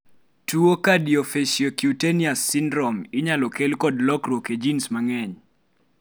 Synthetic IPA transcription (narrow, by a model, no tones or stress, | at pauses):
tuokadijofesjɔkjuteniasːɪndɾɔmɪɲalɔkelkɔdlɔkɾwoked͡ʒinsmaŋɛɲ